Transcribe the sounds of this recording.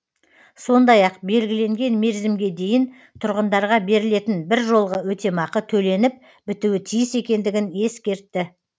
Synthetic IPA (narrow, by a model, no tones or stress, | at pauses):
so̞nd̪ɑjɑqbe̞lɡʲɪle̞ŋɡʲe̞nme̞ɾzɪmɡʲe̞d̪e̞jɪn | t̪ʰʊɾʁənd̪ɑɾʁɑbe̞ɾɪle̞t̪ɪnbɪɾʒo̞lˠʁəwɵt̪e̞mɑqət̪ʰɵle̞nɪp̚ | bɪt̪uwɪt̪ʰijɪse̞kʲe̞nd̪ɪɡʲɪne̞skʲe̞ɾt̪ːɪ